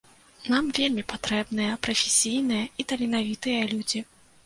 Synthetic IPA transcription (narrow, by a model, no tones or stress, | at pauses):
namvʲelʲmʲipat̪ɾɛbn̪ɨjɐpɾɐfʲesʲijn̪ɨjɐit̪ɐlʲinavʲit̪ɨjɐlʲud͡zʲi